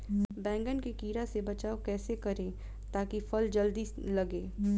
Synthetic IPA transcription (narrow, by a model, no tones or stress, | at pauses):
bɛ̃ːŋɡənkikiːɾasebɐt͡ʃaːokɛːsekɐɾẽː | t̪aːkifɐld͡ʒɐld̪islɐɡẽː